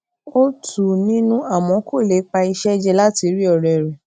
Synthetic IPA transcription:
o˦tʰu˨nĩ˦nũ˦a˦˨mɔ̃˨˦kʰo˦˨le˨˦k͡pa˧i˧ʃɛ˦d͡ʒɛ˧la˦ti˧˦ɾi˦ɔ˨ɾɛ˨ɾɛ˨

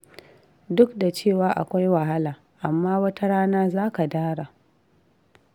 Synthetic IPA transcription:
dʊ˦kda˨t͡ʃeː˦˨waː˦ʔa̰˨kʷa˦jwa˨ɦa˦laː˨ | ʔa˨mːaː˦wɐ˦ta˦ɽaː˦naː˦zaː˦ka˨daː˦ɽa˨

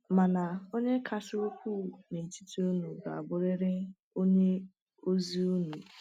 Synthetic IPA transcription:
ma˨na˨o˦ɲe˦kʰa˨sɪ˦o˦kʷu˦ne˨ti˦ti˦u˦nu˨ɡa̰˨a˨bʊ˦ɾe˦ɾe˦ | o˦ɲe˦ | o˦zi˦u˦nu˨

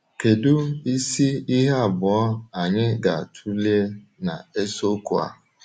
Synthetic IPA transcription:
ke˨dʊ˦i˦si˦i˦ɦa˦a˨bʊ˨ɔ˦a˨ɲɪ˦ɡa˨a˨tʰu˦li˦e˦na̰˨e˦so˦ku˦a̰˨

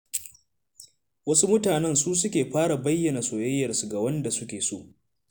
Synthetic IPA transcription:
wɐ˦su˦mʊ˦taː˨nɛ˦nsuː˦s̬ʊ˦kʲeː˨ɸaː˦ɽa˨bɐ˦jːɐ˨na˨soː˨jɐ˦jːɐ˨rsu˨ɡa˨wɐ˦nda˨sʊ˦kʲeː˨so̰ː˦˨ʔ

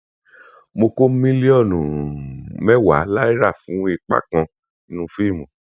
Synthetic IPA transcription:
mo˧ko˦mĩ˦li˦ɔ˦˨nũ˨mɛ˦wa̰˨˦la˦i˦ɾa˦˨fũ˨˦i˧k͡pa̰˦˨kã˧ | i˧nũ˦fi˦˨mũ˨

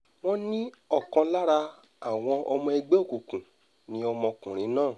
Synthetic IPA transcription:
w̃ɔ̃˦nĩ˦ɔ˦˨kã˧la˦ɾa˧ | a˨w̃ɔ̃˧ʔɔ˧mɔ̃˧e˧ɡ͡be˦o˦˨ku˨kũ˨ | nĩ˨˦ɔ˧mɔ̃˧kũ˨ɾ̃ĩ˨˦nãː˦˨

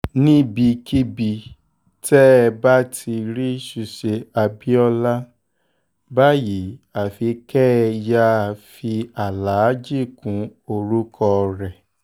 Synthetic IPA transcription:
nĩ˦bi˧ki˦bi˧ | tɛ˦˧ba˦tʰi˧ɾi˦ʃu˧ʃe˧a˧bi˦ɔ˧la˦ | ba˦ji˨˦a˨fi˧˦kɛ˦ja˦˨˧fi˧a˨la˨˦d͡ʒi˦˨kũ˨˦o˧ɾu˦kʰɔ˧ɾɛ˨

